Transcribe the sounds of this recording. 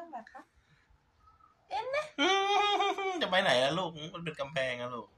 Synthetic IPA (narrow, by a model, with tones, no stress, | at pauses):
bɛ˨˩kʰa˦˥ | ʔe˧˥˩nna˦˥ʔɯː˧˩˧t̪ɛ˨˩pa˧jna˨˩˦jlɛ˦˥luː˥˩k̚ːma˧np̬e˧nka˧mpʰɛː˧ŋla˧˥luː˥˩k̚